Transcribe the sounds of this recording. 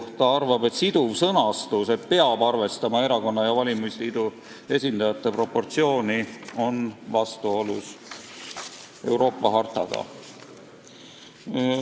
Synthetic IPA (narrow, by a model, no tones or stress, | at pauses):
ht̪ɑɑrvɑbe̞t̪sid̪uvsɤnɑst̪use̞t̪pe̞ɑb̥ɑrve̞st̪ɑmɑe̞ɾɑko̞nːɑjɑvɑlʲimisliːd̪̥u | e̞sʲind̪̥ɑjɑt̪ˑːe̞pro̞pːo̞rt̪sio̞ːnio̞nvɑst̪uo̞lus | e̞uɾo̞ːpːˑɑɦɑrt̪ɑɡ̥ɑ̰